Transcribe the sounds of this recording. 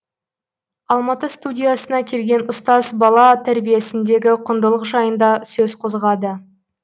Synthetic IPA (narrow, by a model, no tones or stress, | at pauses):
ɑlˠmɑt̪əst̪udʲijasənɑkʲʰe̞lɡʲe̞nʊst̪ɑzbɑlˠɑt̪ʰæɾbije̞sɪnd̪e̞ɡʲɪqʰʊnd̪əlˠəqʒɑjənd̪ɑsɵzqʰo̞zʁɑd̪ə